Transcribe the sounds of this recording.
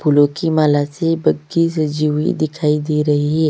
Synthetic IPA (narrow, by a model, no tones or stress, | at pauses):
pʰulõkimaːlasebɐɡisɐd͡ʒiʋḭd̪ɪkʰaːid̪iɾɐɦiɦɛː